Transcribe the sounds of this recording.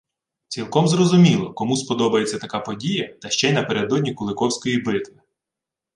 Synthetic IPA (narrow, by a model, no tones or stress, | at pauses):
t͡sʲilˠkɔmzrɔzʊmʲilˠɔkɔmuspɔd̪ɔbɐjet͡sʲːɐt̪ɐkapɔdʲijɐt̪ɐʃt͡ʃɛjnɐpeɾed̪ɔdʲnʲikʊlˠɪkɔwsʲkɔjibɪt̪ʋɪ